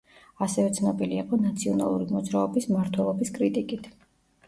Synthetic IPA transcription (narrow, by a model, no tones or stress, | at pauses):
asɛvɛt̪sʰnɔbiliaqʼɔnat̪sʰiɔna̰lˠuɾimɔd̪zɾaɔbismaɾt̪ʰwɛlˠɔbiskʼɾit̪ʼikʼit̪ʰ